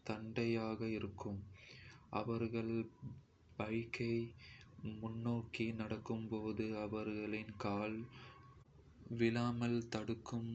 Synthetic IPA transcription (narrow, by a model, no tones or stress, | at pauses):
t̪ɐɳɖɐjaːɣɐɪɾɯkːɯmʔɐ̰ʋɐɾɣɐɭ | bɐɪkːɐɪ | mʊnːoːkinɐɽɐkːɯmpoːðɯɐʋɐɾɣɐɭɪnkaːl | ʋɪlaːmɐlt̪ɐɽɯkːɯm